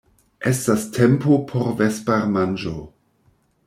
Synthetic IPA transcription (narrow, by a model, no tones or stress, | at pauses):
ʔestastʰempopʰoɾvespaɾmand͡ʒo